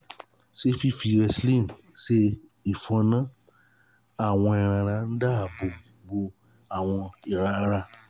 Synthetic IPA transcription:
se˦fi˦fi˧ɾɛ˧slĩ˦˨n | se˧ | i˨fɔ̃˧nã˦ | a˦˨w̃ɔ̃˧ɛ˨ɾ̃ã˧ɾa˧n̩˦da˦˨bo˨ | ɡ͡bo˧ | a˨w̃ɔ̃˧e˨ɾa˧ɾa˧

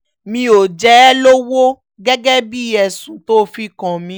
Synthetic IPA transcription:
mĩ˧o˨d͡ʒɛ˨˦lo˦wo˦ | ɡɛ˦ɡɛ˦bi˦ɛ˧˨sũ˨˦to˦fi˦kã˨mĩ˨˦

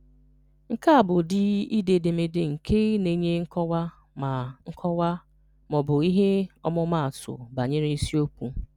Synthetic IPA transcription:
ŋ̩˦ka˦a˨bʊ˨dɪ˦i˦de˨de˨me˦dɪ˦ŋ̩˨kʰe˦ne˦ɲe˦ŋ̩˦kɔ˦wa˦ | ma˨ŋ̩˦kʰɔ˦wa˦ | mɔ˨bʊ˨i˦ɦe˦ɔ˦mʊ˦ma˦˨a˨tʊ̰˨ba˨ɲe˦ɾe˦si˦o˦kʷu˦

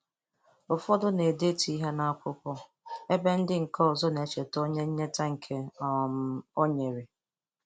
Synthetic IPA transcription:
ʊ˨fɔ˦dʊ˦ne˨de˦ti˦ɦe˦na˦a˦kʷʊ˦kʷɔ˦ | e˦be˦n̩˦dɪ˦ŋ̩˨kɔ˦ɔ˨zɔ˦ne˨t͡ʃe˨to˦ɲe˦ɲe˦ta˦ŋ̩˨kʰe˦˨m˦o˦ɲe˨ɾe˨

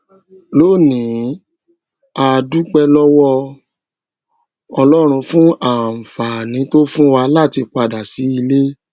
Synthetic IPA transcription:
lo˦˨nĩ˨˦ | a˧du˦k͡pɛ˦lɔ˦wɔ˦ | ɔ˧lɔ˦ɾ̃ũ˧fũ˦a˦˨fa˨nĩ˨˦to˦fũ˦wa˧la˦˨ti˧k͡pa˧da˨si˨˦i˧le˦

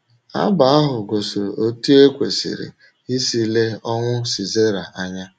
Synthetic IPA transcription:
a̰˦ba˨a˦ɦʊ˨ɡo˨so˨ɾo˨o˦tu˦e˦kʷe˨sḭ˨ɾḭ˨ | i˦si˨le˦ɔ˦ŋʷʊ˦si˨ze˦ɾa˨ʔa˦ɲa˦

